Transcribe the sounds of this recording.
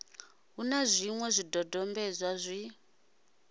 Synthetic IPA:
ɦunazʷimwɛzʷidʱɔdɔmbɛzʷazʷi

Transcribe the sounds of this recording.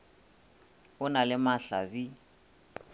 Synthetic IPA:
ʊnalɪmaɬa̰bi

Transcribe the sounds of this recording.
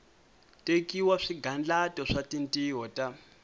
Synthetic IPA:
tekiwaʂiɡʱand͡ɮatɔʂatintiɦɔta

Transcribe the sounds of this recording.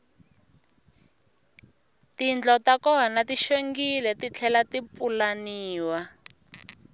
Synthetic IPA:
tind͡ɮɔtakɔɦanatiʃeŋɡilɛtit͡ɬʰɛlatipulaniːwa

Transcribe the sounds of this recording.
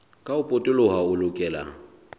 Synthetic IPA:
kʼaʊpʼʊtʼɪlʊɦaʊlʊkʼɛːla̰

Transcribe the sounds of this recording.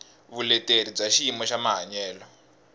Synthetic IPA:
βulɛteɾib͡ʐaʃimɔʃamaɦaɲɛːlɔ

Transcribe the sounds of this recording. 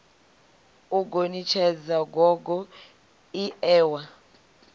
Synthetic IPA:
uɡ̬ʱonit͡ʃʰɛd͡zaɡʱɔk̬ɔ | iɛːwa

